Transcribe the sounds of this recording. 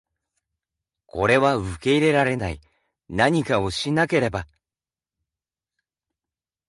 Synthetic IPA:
kʰo̞ɾe̞βaɯ̟ke̞iɾe̞ɾaɾe̞nai | naɲ̟ikao̞ɕinake̞ɾe̞ba

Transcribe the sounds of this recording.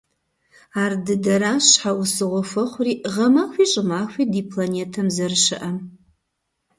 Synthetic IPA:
aːrdɨdɐɾaːɕħawʊsɨʁʷɔfɐχʷʊriːʁɐmaːxʷiːɕʼɪmaːxʷiːdiːpʰlaneːtʰɐmzɐrɨʃɪʔɐm

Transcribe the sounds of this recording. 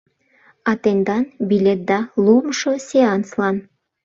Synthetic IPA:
ɑt̪end̪ɑnbilʲet̪̚d̪ɑlumʃoseɑnslɑn

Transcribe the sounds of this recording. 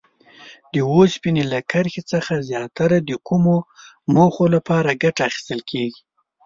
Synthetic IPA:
d̪əwospinelakəɾxet͡səxazjɑt̪aɾad̪əkumo | moxolapɑɾaɡaʈaːxi̥st̪əlkʰeɡi

